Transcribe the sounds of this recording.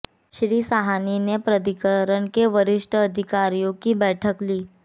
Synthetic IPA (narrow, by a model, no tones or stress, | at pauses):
ɕɾiːsaɦaninepɾəd̪ikəɾəɳkeʋəɾiʂʈʰəːd̪ʱikaɾijokiːbɛʈʰəkliː